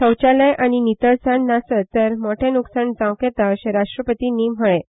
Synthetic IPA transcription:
səwt͡ɕalə̃jʔañinit̪əɭsaɳnasət̪əɾmoʈʰẽnuksaɳd͡zãwkɛt̪aɕeɾaʂʈɾəpət̪inːiːm̤əɭẽ

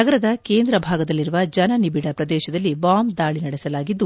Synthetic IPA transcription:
ɐɡɐɾɐd̪ɐke̞ːnd̪ɾɐbʱaːɡɐd̪ɐlːiɾuʋɐd͡ʒɐnɐnibiɽɐpɾɐd̪ɛːʃɐd̪ɐlːibaːmd̪aːɭinɐɽɛsɐlaːɡid̪ːu

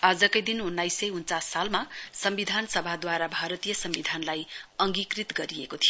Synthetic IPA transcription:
ad͡zʌkʌjd̪inunːajsʌjunt͡sasːalmasʌmbid̪ʱansʌbʱad̪waɾabʱaɾʌt̪ijʌsʌmbid̪ʱanlajʌŋɡikrit̪ɡʌɾijekot̪ʰijo

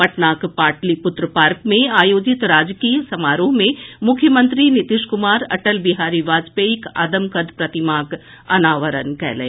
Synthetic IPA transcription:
pɐʈnaːkpaːʈlipʊt̪ɾəpaːɾkmẽaːjoːd͡ʒɪt̪ɾaːd͡ʒkijəsɐmaːɾoːɦmẽmʊkʰjəmə̃nt̪ɾinɪt̪ɪʃkʊmaːɾɐ̰ʈəlbiɦaːɾiʋaːd͡ʒpeɪka̰ːd̪əmkəd̪ʱpɾɐt̪ɪmaːk | ɐ̰naːʋəɾə̰nkɛ̰ːlḛː

